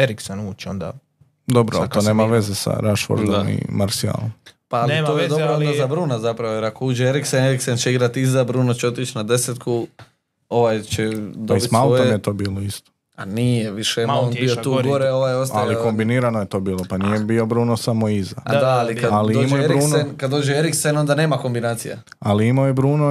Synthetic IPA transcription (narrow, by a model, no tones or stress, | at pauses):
eɾiksenuːt͡ʃond̪a̰ | d̪obɾo̰t̪oneːmaʋe̞zesa̰ɾaʃfo̰ɾd̪omḭmaɾsia̰lompaaliojed̪o̞ɾoond̪azabɾuːnazapɾaʋojeɾakouːd͡ʒeeɾikseneɾiksent͡ʃeiɡɾat̪izabɾuːnot͡ɕeo̞t̪it͡ʃnad̪e̞set̪kʰu | o̞ʋajt͡ʃed̪oibist̪maloomjet̪oːbiːloist̪o̥ | anijeʋiʃemoonbijot̪uːɡoɾeo̞ʋajost̪aʎliko̞mbiniɾanojet̪o̞ːbiːlˠopanijebiobɾuːnosamoizad̪aalikad̪alidomoeeɾiɾnenkad̪d̪o̞ːd͡ʒeeɾikseno̞nd̪ane̞ːmako̞mbinaːt̪sija̰ | aliimojebɾuːno